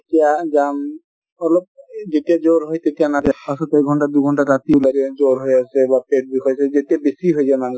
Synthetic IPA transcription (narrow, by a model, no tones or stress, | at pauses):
tiad͡ʒam | ɔlɔb̚d͡ʑetiad͡ʒoɾɦɔjt̪etianaɾepasɔt̪eɡʱɔɳʈad̪uɡʱɔɳʈaɾat̪ilaɾied͡ʒoɾɦoejasʰebapeʈ̚bikʰɔjsʰed͡ʑetiabesiɦoed͡ʑajmaŋ